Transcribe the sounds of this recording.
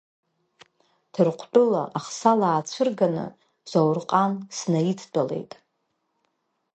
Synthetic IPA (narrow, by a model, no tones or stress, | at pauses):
d̥ʰɨrqʷʰt͡pʼʊlaʔaχsalaːt͡ɕʷʰɨrɡanɨ̰ | zawrqʼansnaitʰt͡pʼale̞̰jtʼ